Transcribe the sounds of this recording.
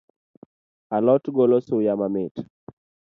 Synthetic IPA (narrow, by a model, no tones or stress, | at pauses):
alɔtɡolosʊjamamɪt